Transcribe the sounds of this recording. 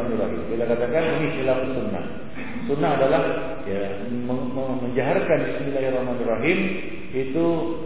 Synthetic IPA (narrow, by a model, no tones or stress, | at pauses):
anirːaɦimbilakat̪akaninisilafsunːa̰h | sunːaɦadalah | ja | məməməɲd͡ʒaɦarkanbismilaɦirɑhmanirːaɦim | it̪u